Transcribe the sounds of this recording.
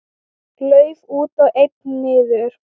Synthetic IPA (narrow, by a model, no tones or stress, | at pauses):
klœːɥvuːt̪awʔejt̪̚nnɪːðʏɾʏɾ̥